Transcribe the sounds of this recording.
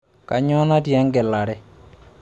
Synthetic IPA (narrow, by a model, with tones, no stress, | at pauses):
ka˨ɲɔ˦na˦djɛ˦ŋɡɛ˨la˨ɾɛ˦